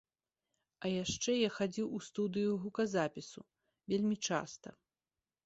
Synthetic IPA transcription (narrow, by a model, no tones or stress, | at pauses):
ɐjaʂt͡ʂɛjaxad͡zʲiwust̪ud̪ɨjuɣukɐzapʲisu | vʲelʲmʲit͡ʂa̰st̪ɐ̰